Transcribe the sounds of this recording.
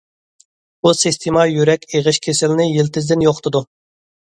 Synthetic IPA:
busist̪ʰemɑjyɾɛkʲeʁɨʃkʲʰesɪlnɪjilt̪ʰɪzd̪ɪnjoχt̪ʰɨd̪u

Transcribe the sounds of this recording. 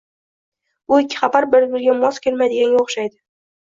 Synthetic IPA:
ʊɪkʲʰːɪ̥χabaɾbɪɾbɪɾɡʲamɒskʲʰelmajd̪ɪɡʲanɡʲaoχʃajd̪ɪ

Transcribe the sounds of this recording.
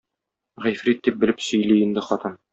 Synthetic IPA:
ʁæjfɾit̪̚d̪ip̚bɘ̆lɘpsɵ̆jliĭnd̪ɘχɒt̪ɤn

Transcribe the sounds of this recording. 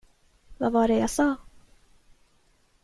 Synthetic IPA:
vavaɖɛjasɑː

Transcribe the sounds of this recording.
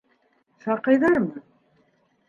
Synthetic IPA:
sɑqɑjðɑɾmɤ

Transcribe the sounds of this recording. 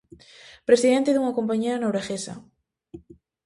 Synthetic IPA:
pɾesiðent̪eðuŋakompaɲeanowɾaɣesa̰

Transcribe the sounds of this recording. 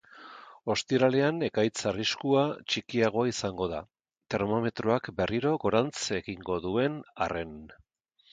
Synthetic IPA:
o̞st̪iɾale̞ane̞kajt͡sariskuat͡ʃikiaɣ̞o̞aisaŋɡo̞ða̰ | t̪e̞ɾmo̞me̞t̪ɾuakbe̞rʔiɾo̞ɣo̞ɾant͡se̞ɣiŋɡo̞ðue̞na̰re̞n

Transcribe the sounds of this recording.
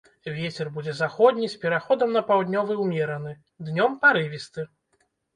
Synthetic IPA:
vʲet͡sʲɛrbud͡zʲɛzaxɔd̪ʲnʲispʲɛɾaxɔd̪ɐmnɐpawd̪ʲnʲɔvɨwmʲɛɾɐnɨ | d̪nʲɔmpaɾɨvʲist̪ɨ

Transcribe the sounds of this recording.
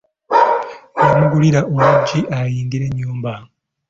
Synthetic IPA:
emuɡuliɾaʔomuɟiʔajiːndiɾe̞ɲːuːmba

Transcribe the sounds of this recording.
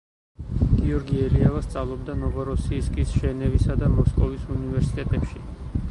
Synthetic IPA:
ɡ̥iɔɾɡiɛliavast̪sʼavlˠɔbd̪anɔvɔɾɔsiːskʼisʒ̥ɛnɛvisad̪amɔskʼɔvisunivɛɾsi̥t̪ʼɛt̪ʼɛpʃi

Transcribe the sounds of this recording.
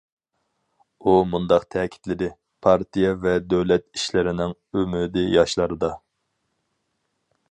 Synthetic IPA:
umund̪ɑqt̪ʰɛːkʲʰi̥t̪lɪd̪ɪ | pʰɑɾt̪ijɛvɛd̪øwlɛt̪i̥ʃlɪɾɪnɪŋ | ømyd̪ɪjɑʃlˠɑɾɨd̪ɑ

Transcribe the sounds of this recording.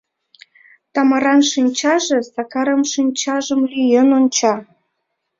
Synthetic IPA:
t̪ɑmɑɾɑnʃinʲt͡ɕɑʒĕsɑkɑɾəmʃinʲt͡ɕɑʒəmlyjenonʲt͡ɕɑ

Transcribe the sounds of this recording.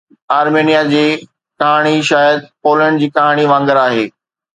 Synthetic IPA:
aːɾmeːnijad͡ʑiː | kɐɦaːɽ̃iʃaːjəd̪̚poːlə̃ɳɖd͡ʑiːkɐɦaːɽ̃iʋãːŋɡəɾaːɦeː

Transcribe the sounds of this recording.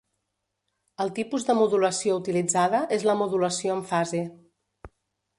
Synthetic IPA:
əlˠt̪ipuzðəmuðuləsiout̪ilid͡zaðəʔezləmuðuləsioəɱfaze

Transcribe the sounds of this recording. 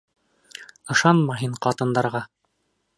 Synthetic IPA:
ɤ̆ʃɑnmɑɦiɴqɑt̪ɤ̆nd̪ɑɾʁɑ

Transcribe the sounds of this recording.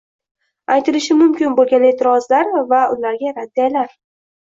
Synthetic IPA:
ajt̪ʰɪlɪʃɪmʊmkʲɪnbolˠɡʲane̞t̪ʰɪɾɒzlaɾvaʊlaɾɡʲaɾad̪ːijalaɾ

